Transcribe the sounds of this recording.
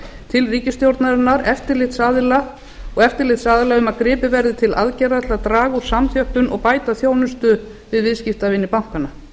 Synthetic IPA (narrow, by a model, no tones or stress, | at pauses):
t̪ʰɪlriːcɪst̪jowɾt̪naɾɪnːaɾɛft̪ɪɾlɪht̪saːðɪla | ɔɣɛft̪ɪɾlɪht̪saːðɪlaʏmaðkɾɪːpɪvɛɾðɪt̪ʰɪla̰ðcɛɾat̪lat̪ɾaːɣuɾ̥samθjœhpʏnʔɔɣpaːjt̪aθjoːwnʏst̪ʏ | vɪðvɪðscɪft̪avɪnːɪpawŋ̥kanːa